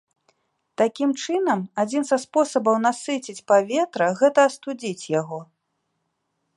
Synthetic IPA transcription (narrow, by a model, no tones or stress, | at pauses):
t̪akʲimt͡ʂɨnɐmad͡zʲinzɐspɔsɐbɐwnasɨt͡sʲit͡sʲpavʲeɛt̪ɾɐɣɛt̪ɐːst̪ud͡zʲit͡sʲjaɣɔ